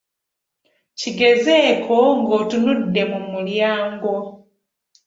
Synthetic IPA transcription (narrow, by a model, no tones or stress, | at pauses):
ciɡe̞zeːkʰoŋɡoːtunudːe̞mumuljaːŋɡo̞